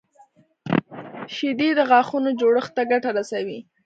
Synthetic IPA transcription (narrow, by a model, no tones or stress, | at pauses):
ʃid̪id̪əɣɑxunod͡ʒoɽəxt̪aɡaʈaɾasawi